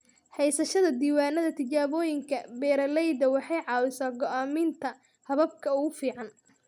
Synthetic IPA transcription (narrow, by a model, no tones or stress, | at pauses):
hɛjsɐʃɐðɐd̪iːwaːnɐðɐt̪ʰɪt͡ʃaːβɔːjɪŋkʰɐbɛːɾɐlɛjd̪ɐwɑħɑjʕɑːwɪsaːɡɔʔaːmɪnt̪ʰɐ | hɐβɐb̚kʰɐʊɣʊfiːʕɑn